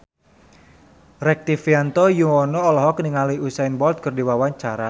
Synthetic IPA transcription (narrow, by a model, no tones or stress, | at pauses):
rɛk̚t̪ifiant̪ɔjuŋɔnɔːlɔɦɔkniŋaliusainbɔlt̪̚kɨrdiwawaɲt͡ʃaɾa